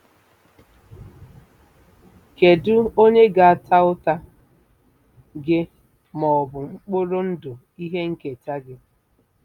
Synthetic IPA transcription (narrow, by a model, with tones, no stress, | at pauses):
ke˨dʊ˦o˦ɲe˦ɡa˨a˨tʰa˦ʊ˦ta˦ | ɡɪ˦ | mɔ˨ɔ˨bʊ˨ŋ͡m̩˦k͡po˦ɾo˦n̩˦dʊ˨ | i˦ɦe˦ŋ̩˦ke˨t͡ʃa˦ɡɪ˦